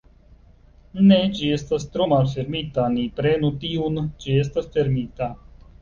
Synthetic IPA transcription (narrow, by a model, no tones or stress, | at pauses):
net͡ʃieːst̪ast̪ɾoːmaːlfeɾmiːt̪aːniːpɾeːnut̪iːuːnt͡ʃieːs̬t̪asfeɾmiːt̪aː